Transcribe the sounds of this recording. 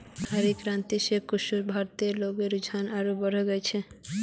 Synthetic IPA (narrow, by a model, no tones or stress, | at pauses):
aɾikɾant̪iʃekkuʃuɾbʱaɾt̪eɾloɡeɾud͡ʑʱanaɾobɔɾoɡɛt͡ɕʰe